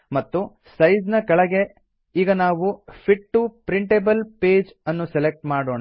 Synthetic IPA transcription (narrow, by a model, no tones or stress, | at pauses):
mɐt̪ːu | sɐjd͡ʒnɐkɐɭɐɡe̞ | iːɡɐnaːʋupʰiʈːupɾiɳʈebɐlpeːd͡ʒɐnːuselek̚ʈmaːɽoːɳa